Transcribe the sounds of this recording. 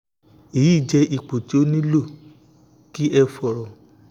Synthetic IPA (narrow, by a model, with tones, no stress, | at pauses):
e˨jiː˦˨d͡ʒɛ˧i˨k͡po˨ti˦o˦nĩ˦lo˦˨ | ki˦ʔɛ˧fɔ˨ɾɔ˨